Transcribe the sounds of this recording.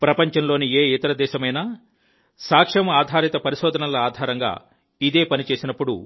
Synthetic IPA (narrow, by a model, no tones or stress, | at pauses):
pɾɐpɐɲt͡ʃɐnlo̞ːnieːit̪ɐɾɐd̪ɛːʃɐmɐjnaː | saːkʂɐmɐaːd̪ʱaːɾit̪ɐpɐɾiʃɔːd̪ʱɐnɐlɐaːd̪ʱaːɾɐŋɡa̰ː | id̪e̞ːpɐnit͡ʃe̞ːsinɐpːuɽṵ